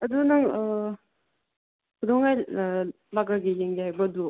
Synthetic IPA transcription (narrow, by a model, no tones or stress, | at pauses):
ɐdunaŋ | kʰudɔŋaj | laɡaɡijeŋɡihajbɐdu